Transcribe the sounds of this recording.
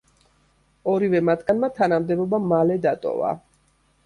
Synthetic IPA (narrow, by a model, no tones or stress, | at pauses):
ɔɾivɛmat̪ʰɡ̥anmat̪ʰanamd̪ɛbɔbamalɛd̪at̪ʼɔ̰va̰